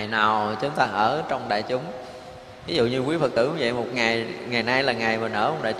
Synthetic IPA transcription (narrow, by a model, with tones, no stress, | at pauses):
jnaː˨˩wt͡ɕʊ˨˦ŋ͡mt̪aː˧ʔəː˧˩t͡ɕɔ˧wŋ͡mɗa̰ː˧˨jt͡ɕʊ˨˦ŋ͡m | vi˨˦zṵ˧˨ɲɨ˧kwi˨˦əfə˨˩t̚t̪ɨ̰˧˩wvḭ˧˨mo˨˩t̚ŋa˨˩jŋa˨˩jna˧jlaː˨˩ŋa˨˩jmaː˨˩nʔə̰ː˧˦mo˨˩t̚ɗa̰ː˧˨